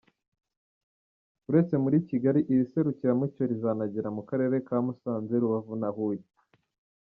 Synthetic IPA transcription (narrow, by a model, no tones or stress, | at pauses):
uɾe̞t͡se̞muɾiciɡaɾiʔiɾise̞ɾuciɾamico̞ɾizanaɟeɾamukaɾe̞ːɾe̞kaːmusaːnzeɾuβavunahuji